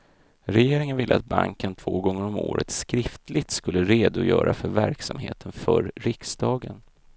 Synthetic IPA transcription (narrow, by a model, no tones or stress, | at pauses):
ɾɛjeːɾɪŋənvɪlʔəat̪̚baŋkənt̪ʰv̥oːɡɔŋːəɾɔmo̰ːɾət̪skɾɪft̪lɪɡt̪skɵlːəɾeːd̪ʊjœːɾʔafœɾvæɾksamɦḛːt̪ʰənfœɾɾɪksd̪ɑːɡən